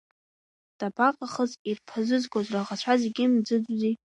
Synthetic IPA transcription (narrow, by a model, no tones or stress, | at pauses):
d̥abaqʼaχəzirpʰazʷɨzɡʷozraʁat͡ɕʷʰazeɡʲimd͡zɨd͡zʷzi